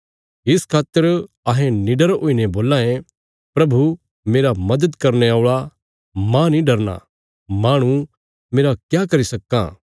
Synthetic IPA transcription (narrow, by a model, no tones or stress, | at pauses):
ɪskʰaːt̪ːəɾ | ɐɦɛ̃niɖɐɾoːineboːlãːẽ | pɾɐbʱu | meːɾamɐd̪əd̪kɐɾneaːʊɭa | mãnĩɖɐɾna̰ | maːɽ̃u | meːɾakjakɐɾisɐkːa̰